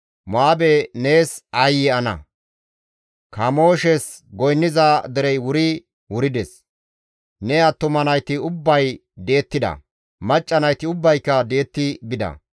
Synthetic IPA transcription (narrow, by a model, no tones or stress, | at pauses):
maːbɛneːsɐjːɪɐnɐ̰ | kɐmo̞ːʃɛsɡɔjnːɪzad̪ɛɾɛjwʊɾɪ | wʊɾɪd̪ɛs | nɛjɐt̪ːʊmɐnɐjt̪ɪʊbːɐj | d̪e̞ːt̪ːɪd̪ɐ̰ | mɐt͡ʃʼːɐnɐjt̪ɪʊbːɐjkːɐd̪e̞ːt̪ːɪɡɪd̪ɐ̰